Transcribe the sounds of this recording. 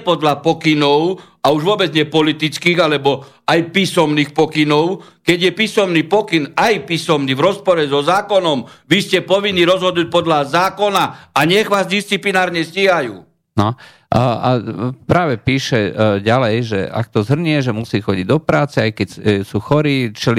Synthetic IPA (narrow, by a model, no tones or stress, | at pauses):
pɔd̪lapɔkinɔʊ | auʒʋʊɔbɛd͡zɲɛpɔlit̪it͡skiːɣalɛbɔ | ajpiːsɔmniːxpɔkinɔʊkɛɟjɛpiːsɔmniːpɔkinajpiːsɔmniːvɾɔspɔɾɛzɔzaːkɔnɔmʋiscɛpɔʋinːiːɾɔzɦɔd̪nuːc̚pɔd̪lazaːkɔnaaɲɛɣʋaːzd̪ist͡siplinaːɾɲɛsciːɦajṵː | nɔ | a̰pɾaːʋɛpiːʃɛɟalɛjʒɛ̰a̰kt̪ɔzɦr̩ɲɪɛʒɛmusiːxɔɟiɟd̪ɔpɾaːt͡sɛajkɛcsuːxɔɾiːt͡ʃɛl